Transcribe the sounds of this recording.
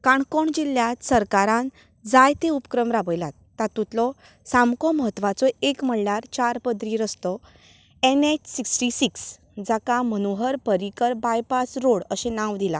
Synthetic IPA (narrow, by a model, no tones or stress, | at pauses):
kaɳkɔɳd͡ʑiljat̪səɾkaɾãn | d͡zajt̪eupkɾəmɾabəjlat̪ːat̪ut̪lɔ | samkɔməɦət̪ːʋat͡sɔekm̤əɽnaɾt͡ɕaɾpəd̪ɾiɾəst̪ɔ | ɛnet͡ɕsiksʈisiks | d͡zakamənoɦəɾpəɾikəɾbajpasɾoɽəɕẽnãʋd̪ila̰